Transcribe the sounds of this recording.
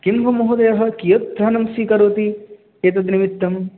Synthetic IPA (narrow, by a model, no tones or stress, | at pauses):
kimʋɐmoɦud̪ɐjɐɦɐ̆kijɐt̪ɾɐnɐmsiːkɐɾoːt̪i | keːt̪̬ɐd̪nimit̪ːɐm